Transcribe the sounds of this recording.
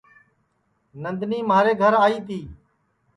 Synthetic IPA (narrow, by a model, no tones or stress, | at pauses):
nənd̪niːmaːɾeːɡʱəɾaːiːt̪ʰiː